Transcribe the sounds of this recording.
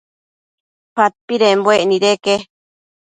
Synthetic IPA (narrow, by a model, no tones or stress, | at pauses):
pat̪̚piɾembweʔnĩɾeke